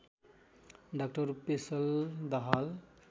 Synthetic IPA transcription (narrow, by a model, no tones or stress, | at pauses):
ɖak̚ʈɔɾpesəld̪aɦal